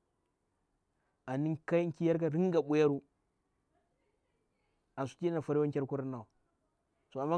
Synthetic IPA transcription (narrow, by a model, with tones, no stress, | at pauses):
a˨ni˦ŋka˦i˦ŋ˦ki˦ja˦ɾka˦ɾi˦ŋ˦ɡa˨ɓu˦ja˦ɾu˦ | a˨nsu̥˨˦ki˦na˦na˨fa˨ɾi˦wa˦ŋ˦kʲa˦ɾku˦ɾa˦nːa˨ | so˨a˨mːa˦